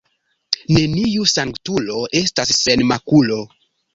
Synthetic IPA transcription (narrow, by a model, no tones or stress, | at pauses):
ne̞niusaŋktulo̞ʔe̞stasːe̞nmakulo̞